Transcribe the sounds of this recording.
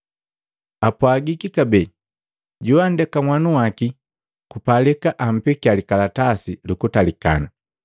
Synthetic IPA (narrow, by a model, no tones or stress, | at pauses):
apwaɡikikabɛ | ɟuandɛkamwanuwaki | kupalɛkaʔam̩pikialikalatasilukutalika̰na